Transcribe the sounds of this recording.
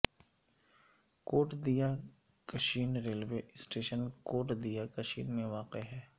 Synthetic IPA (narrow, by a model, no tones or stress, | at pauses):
koːʈd̪ija | kəʃiːnɾeːlʋeːsʈeːʃənkoːʈd̪ijakɐʃiːnmẽʋaːqeɦɛː